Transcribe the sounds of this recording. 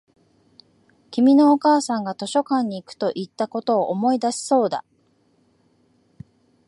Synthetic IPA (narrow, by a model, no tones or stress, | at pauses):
kʲimʲino̞ːkaːsãŋɡat̪o̞ɕo̞kãɲ̟ːiːkɯ̟̥t̪o̞ʔit̪ːako̞t̪o̞ːʔomo̞id̪aɕi̥so̞ːd̪a̰